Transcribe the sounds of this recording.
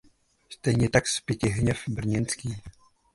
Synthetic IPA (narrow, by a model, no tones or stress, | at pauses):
st̪ɛjɲɛt̪akspjɛcɪɦɲɛfbr̩ɲɛnt͡skiː